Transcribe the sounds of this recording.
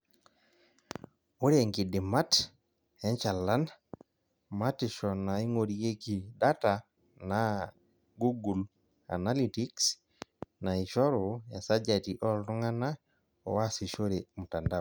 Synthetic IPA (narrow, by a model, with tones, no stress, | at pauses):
o˦ɾeŋɡi˨dɪ˨ma˦t | ɛ˦ɲt͡ʃa˨la˦n | ma˦ti˨ʃɔna˨i˦ŋo˨ɾie˦ki˨da˦ta | na | ɡu˦ɡu˨l | a̰˨na˦liti˦ks | nai˨ʃɔ˦ɾɔ˨ja˨sa˦d͡ʒatiʔɔ˦ltɔ˦ŋa˦na˦ | ɔ̰˨wa˦si˨ʃo˦ɾemuta˨ndao